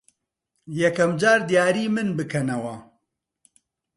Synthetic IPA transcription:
jɛkɐmd͡ʒaːɾd̪jaːɾiːmɨnbɨkʰɐnɐwɐ

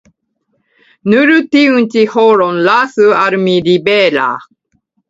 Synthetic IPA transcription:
nɯɾɯt̪iɯ̃nt͡ɕihoɾõnlaːsɨaɾɯmiɾibeɾa̰ː

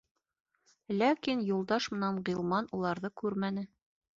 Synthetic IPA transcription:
lækinjulˠd̪ɑʃmɤ̆nɑnʁilˠmɑnulˠɑɾðɤkʉɾmænɘ

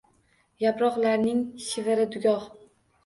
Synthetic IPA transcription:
japɾɒqlaɾnɪŋʃɪvɪɾɪd̪ʊɡʲɒh

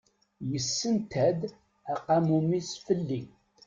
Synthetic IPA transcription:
jəsːənt̪ʰæd̪ | æqɑmumisfəlːi

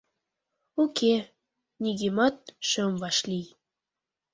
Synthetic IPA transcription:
ukʰe | niɣemɑt̪̚ʃømvɑʃlij

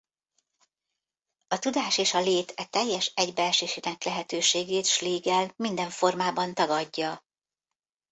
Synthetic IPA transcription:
ɒt̪ud̪aːʃeːʃɒleːt̪ʰɛt̪ɛjːɛʃɛɟbɛlʃeːʃinɛklɛɦɛt̪øːʃeːɡeːt̪ʃliːɡɛlmind̪ɛɱfo̞rmaːbɒnt̪ɒɡɒɟːɒ

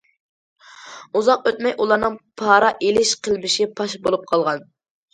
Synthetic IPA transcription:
uzɑqøt̪mɛjʔulˠɑɾnɨŋpʰɑːɾɑʔelɪʃqəlˠmɪʃipʰɑʃbolˠup̚qʰɑlˠʁɑn

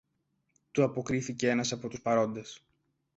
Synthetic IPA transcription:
t̪uɐpo̞kɾiθice̞e̞nɐsɐpo̞t̪uspɐɾo̞nd̪e̞s

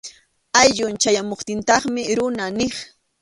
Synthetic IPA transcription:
ajʎʊnt͡ʃajamoχt̪ɪnt̪ɑχmɪɾʊnanɪχ

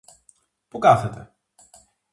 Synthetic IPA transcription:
pukɐθet̪ḛ

